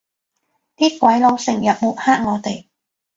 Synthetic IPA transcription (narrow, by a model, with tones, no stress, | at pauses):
t̪iː˥kʷɐ˨˥jlo˨˧wsɪ˨˩ŋjɐ˨p̚muː˨˥t̚haː˥k̚ŋɔː˨˧t̪e˨j